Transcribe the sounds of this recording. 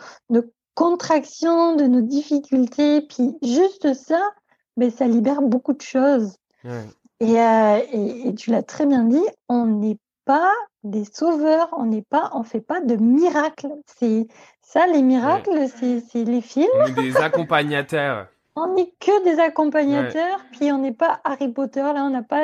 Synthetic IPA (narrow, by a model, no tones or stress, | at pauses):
no | kɔ̃t̪χaksjɔ̃d̪ənod̪ifikʲylt̪ʰepɥiʒyst̪əsa | bɛsalibɛʁbokud̪əʃoz | eøeːt̪ylat̪χɛbjɛ̃d̪iɔ̃nɛ | pad̪esovœʁɔ̃nɛpaʔɔ̃fɛpad̪əmiʁaklsɛ | salemiʁaklsɛsɛlefilmezakɔ̃paɲat̪œːʁ | ɔ̃nɛkəd̪ezakɔ̃paɲat̪œʁpɥiɔ̃nɛpaʔaʁipot̪œʁlaɔ̃napa